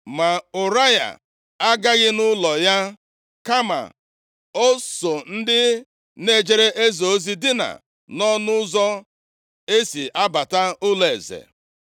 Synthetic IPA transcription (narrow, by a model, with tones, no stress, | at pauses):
ma˨ʊ˨ɾa˦ja̰˨ | a˦ɡa˦ɣɪ˦nʊ˦lɔ˨ja˦ | ka˦ma̰˨ | o˦so˨n̩˦dɪ˦ | ne˦˨d͡ʒe˦ɾe˦ʔe˦zo˨o˦zi˦dɪ˦na̰˨ | nɔ˦nʊ˦zɔ˦ | e˦si˨ʔa˦ba˨ta˦ʊ˦le˨e˨zḛ˨